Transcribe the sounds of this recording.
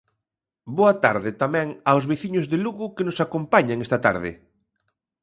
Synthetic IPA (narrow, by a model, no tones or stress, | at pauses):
boɐt̪a̰ɾðɪt̪amɛ̃ŋawzβeθiɲʊzðeluɣʊkɪnʊsakompaɲaŋest̪ɐt̪a̰ɾðɪ̰